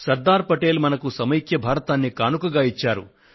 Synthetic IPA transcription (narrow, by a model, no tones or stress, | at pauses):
sɐɾd̪aːɾpɐʈe̞ːlmɐnɐkusɐmɐjikjɐbʱaːɾɐt̪aːnːikaːnukɐɡaːit͡ʃːaːɾṵ